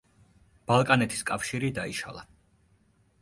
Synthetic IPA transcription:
b̥alˠkʼanɛt̪ʰi̥skʼafʃiɾid̪aiʃa̰lˠa̰

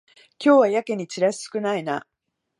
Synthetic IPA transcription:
kʲo̞ːβajake̞ɲ̟it͡ɕɨɾaɕi̥sɨ̥kɯ̟naina

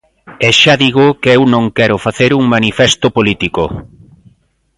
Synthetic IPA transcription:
eʃaðiɣokewnõŋkɛɾʊfaθeɾuŋmanifɛst̪opolit̪iko

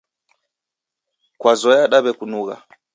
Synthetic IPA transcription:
kwazɔjaɗaβɛkunuɣa̰

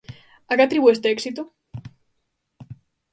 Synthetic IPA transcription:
akat̪ɾiβuest̪eeksit̪o

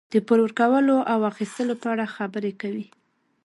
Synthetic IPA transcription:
d̪̥əpəɾwəɾkawəloʔawaxist̪əlopəaɽaxabəɾekawi

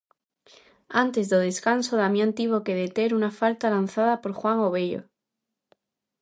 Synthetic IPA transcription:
ant̪e̞zðoðe̞skanso̞ðamjãnt̪iβ̞o̞ke̞ðe̞t̪e̞ɾunafalt̪alanθaðapo̞ɾxwaŋo̞βeʎo̰

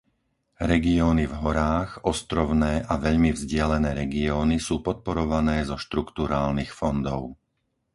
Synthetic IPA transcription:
ɾɛɡiɔːnivɦɔɾaːɣɔst̪ɾɔʊnɛːʔaʋɛʎmivzɟɪalɛnɛːɾɛɡiɔːnisuːpɔt̪̚pɔɾɔʋanɛːzɔʃt̪ɾukt̪uɾaːlnixfɔnd̪ɔʊ

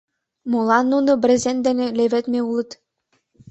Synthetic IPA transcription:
mulˠɑnːunɤ̆bʲrʲɘ̆zʲenʲd̪ɘ̆nʲĕlʲeβʲɘ̆t̪mʲeulˠɤ̆t̪

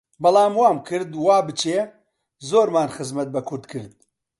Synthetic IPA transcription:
bɐlˠaːmwaːmkʰɨɾd̪waːbɨt͡ʃʰeː | zoːɾmaːnxɨzmɐt̪̚bɐkʰʊɾd̪kʰɨɾd̪̚

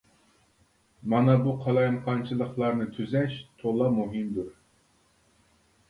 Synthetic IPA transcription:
mɑnɑbuqʰɑlˠɑjɑmqʰɑnt͡ʃʰɨlˠəχlˠɑɾnɨt̪ʰyzɛʃt̪ʰolˠɑmuɦɨmd̪uɾ

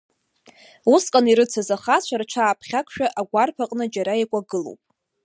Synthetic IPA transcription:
uskʼaniɾɨt͡sʰazaχat͡ɕʷʰart͡ʃʷʰaːpʰχʲakʷʰʃᶣaʔaɡʷarpʰaqʼnɨd͡ʒaɾajekʷʼaɡɨlo̰wpʼ

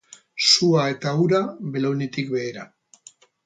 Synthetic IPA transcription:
suae̞t̪auɾaβelonit̪ik̚be̞ːɾa

